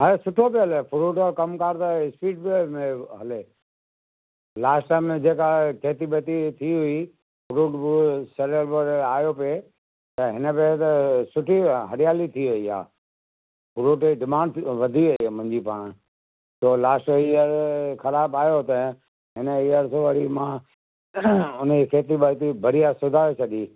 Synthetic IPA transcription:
ɦɐɾesʊʈʰobeɦɐlepʰʊɾuːʈokɐmkaːɾt̪ɐɪspiːʈ̚bemẽɦɐle | laːsʈʈaːmẽd͡ʑeːkakʰeːt̪ibet̪it̪ʰiɦʊi | pʰʊɾuːʈbseleɾbəɾaːjope | t̪ɐɦɪnəbet̪ɐsʊʈʰiɦɐɾjaːlit̪ʰiʋɐia̰ː | bʊɾuːʈeɖɪmãːɳɖʋɐd̪ʱiɐimʊ̃ɦɪ̃ɲd͡ʑipaːɽ̃ | soːlaːsʈoiəɾkɐlaːbaːjot̪ɐ | ɦɪnəijəɾsoʋɐɽimã | ʊnəikeːt̪ibət̪ibʱɐɾijasʊd̪ʱaːet͡ɕʰɐɗiː

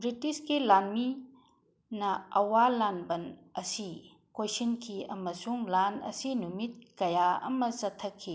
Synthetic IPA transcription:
bɾitiskilanmi | nɐɐwalanbɐnɐsi | kojsinkʰiɐmɐsuŋlanɐ̰sinumit̚kɐjaɐ̰mɐsɐtʰːɐkʰːi

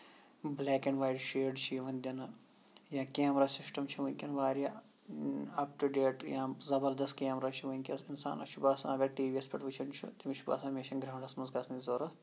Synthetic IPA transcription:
blɛːkeɳɖʋaːjɖʃeːɖt͡ʃʰiʋɐnʲd̪ʲɐnɨ | jãːkʲeːmɾaːsisʈɐmt͡ʃʰiʋɐnʲkʲɐnʋaːɾʲja | ɐpʈuɖeːʈjãːzɐbɐɾd̪ɐst̪̚keːmɾaːt͡ʃʰiʋɐnʲkʲɐsinsa̰ːnɐ̰t͡ʃʰubaːsɐ̰nɐɡɐɾʈiːʋiɐspʲɐʈʋɨt͡ʃʰɐnt͡ʃʰṵt̪imiʃʰuba̰ːsɐnmʲeːʃʰɐnɡɾɐːɳɖɐsmɐzɡaːsɐnʲizoːɾɐs

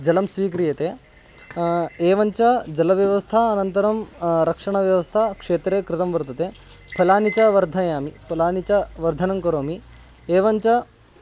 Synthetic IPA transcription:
d͡ʒɐlɐmsʋiːkɾijɐt̪eː | eːʋɐɲt͡ʃɐd͡ʒɐlɐʋjɐʋɐst̪ʰɐːnɐnt̪ɐɾɐmɾɐkʂɐɳɐʋjɐʋɐst̪ʰɐkʂeːt̪ɾeːkɾɪt̪ɐmʋɐɾt̪ɐt̪e | pʰɐlaːnit͡ʃɐʋɐɾd̪ʱɐjaːmipʰɐlaːnit͡ʃɐʋɐɾd̪ʱɐnɐmkɐɾoːmi | eːʋɐɲt͡ʃɐ

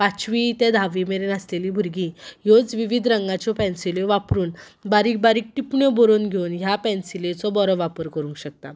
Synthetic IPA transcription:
pat͡ɕʋit̪ẽd̪ʱaʋimeɾenəslelibʱuɾɡĩjod͡zʋiʋid̪ʱɾəŋɡãt͡ɕɔpɛ̃nsileʋapɾuːn | baɾiːk̚baɾiːk̚ʈipɳjɔbɔɾonɡʱewnɦjapɛ̃nsilet͡sɔbɔɾəʋapəɾkəɾũŋkɕək̚t̪a̰

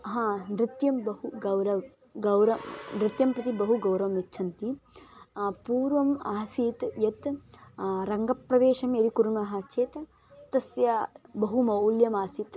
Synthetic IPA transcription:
ɦãːnɾɪt̪jɐmbɐɦuɡɐwɾɐʋ | ɡɐwɾɐnɾɪt̪jɐmpɾɐt̪ibɐɦuɡɐwɾɐʋɐmitːt͡ʃʰɐnt̪i | puːɾʋɐmaːsiːt̪jɐt̪ | ɾɐŋɡɐpɾɐʋeːʃɐmjɐɾikuɾuɳɐɦɐt͡ʃʰeːt̪ | t̪ɐsjɐbɐɦumɐwljɐmaːsit̪

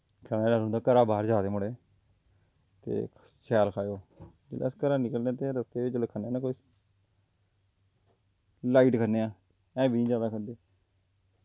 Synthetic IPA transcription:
kʰənɛ̃ːɖəɾɦʊ̃nd̪aːkəɾaːbaːɾd͡ʒaːd̪eːməɽeː | t̪ḛː | sɛːlkʰaːjoː | d͡ʒɪ̰ːlḛːskəɾãːnɪkəlnẽːt̪eːɾəst̪eːɪt͡ʃəlekʰəneːnãːkoːi | laːiːʈkʰəneːãː | ɛ̃ːbʱiːd͡ʒaːd̪aːkʰəd̪eː

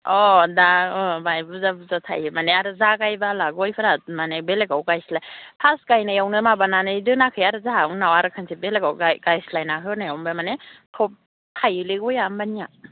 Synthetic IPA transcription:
ɔdaɯmajbuzabuzatʰa̰jmaneaɾɯzakajbalaɡɔjpʰɯɾamanebeleɡawɡajslajpʰaskajnajawnɯmabananɯdɯnakʰɯjaɾɯzaŋnawaɾɯkʰɯnsʰibelekawɡajɡajslajnaɦɯnajawmbamanetʰɔp̚ | tʰajɯleɡɔjambania

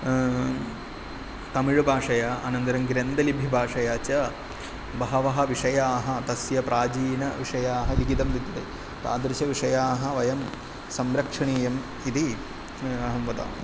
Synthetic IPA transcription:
t̪ɐmiɻubʱaːʂɐjaːɐːnɐnd̪ɐɾɐmɡɾend̪ɐlibʱibʱaːʂɐjaːt͡ʃɐ | bɐɦɐʋɐɦɐ̆ʋiʂɐjaːɦɐ̆t̪ɐsjɐpɾaːd͡ʒiːnɐʋiʂɐjaːɦɐliɡit̪ɐmd̪it̪ːɐd̪ḛ | t̪a̰ːd̪ɾiʃɐʋiʂɐjaːɦɐʋɐjɐm | sɐmɾɐkʂɐɳiːjɐm | id̪i | ɐɦɐmʋɐd̪a̰ː

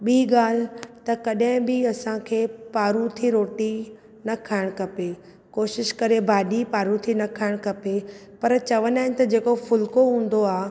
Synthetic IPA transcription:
ɓiːɡaːl̤t̪ɐkɐɗɦɪ̃bɪɐsãkʰeːpaːɾũt̪ʰiɾoːʈi | nɐkʰaːɪɽ̃kɐpe | koːʃɪʃkɐɾebʱaːɗipaːɾũt̪ʰinɐkʰaːɪɽ̃kɐpepɐɾt͡ɕɐʋənaːɪn̆t̪ɐd͡ʑeːkofʊlkoɦũːn̆d̪oaː

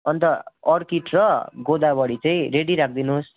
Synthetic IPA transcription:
ʌnt̪ʌrkiʈrʌɡod̪abʌɽit͡saĩɾeɽiɾak̚ʰd̪inus

